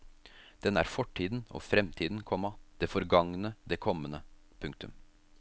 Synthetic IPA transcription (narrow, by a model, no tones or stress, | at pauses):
d̪̥ɛnːæ̰ːɾfɔʈʰːiːd̪n̩o̰fɾɛmt̪ʰiːd̪n̩kʰɔmːɑd̪̥eːfɔɾɡɑŋnəd̪eːkʰɔmːənəpʰʉŋk̚t̪ʉm